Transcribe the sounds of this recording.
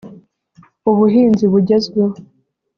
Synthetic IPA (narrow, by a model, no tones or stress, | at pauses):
uβuɦiːnziβuɟezɡeho